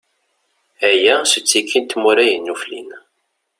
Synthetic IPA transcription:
æjæsət͡sːikːint̪muɾæjənːuflḭn

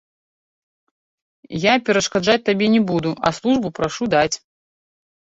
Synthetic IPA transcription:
japʲɛɾɐʂkad͡ʐat͡sʲt̪abʲɛnʲɛbud̪uʔɐ̰slˠuʐbupɾaʂud̪at͡sʲ

